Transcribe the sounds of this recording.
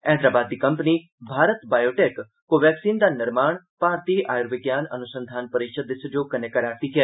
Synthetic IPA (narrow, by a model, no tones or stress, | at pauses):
ɛ̃ːnd̪ɾaːbaːd̪ːiːkɐmpniː | bʱaːɾət̪baːjoːʈeːk | koʋɛːksiːnd̪aːnɪɾmaːɳ̃ | paːɾt̪iʔaːjɾʋɪɡjaːnɐ̰nʊsə̃nd̪ʱaːnpəɾɪkʃəd̪ːɪsd͡ʒoːkɐnekəɾaːɾt̪iːkɛː